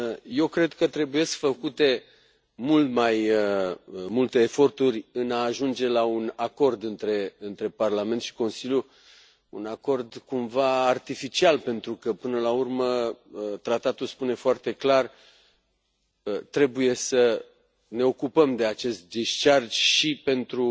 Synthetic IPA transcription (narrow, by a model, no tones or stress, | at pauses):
je̞wkɾe̞d̪kət̪ɾe̞buje̞sfəkut̪e̞ | mult̪majəmult̪e̞ːfo̞rt̪uɾʲɨnaːʒund͡ʒe̞launako̞rd̪ɨnt̪ɾe̞ɨnt̪ɾe̞parlame̞nt̪ʃi̥ko̞nsilʲju | unako̞rd̪kumvaːrt̪ifit͡ʃialpe̞nt̪ɾukəpɨnəlaurməət̪ɾat̪at̪ulspune̞foart̪e̞klar | ət̪ɾe̞buje̞sə | ne̞o̞kupəmd̪e̞at͡ʃe̞st̪̚d̪iʃt͡ʃard͡ʒʃipe̞nt̪ɾu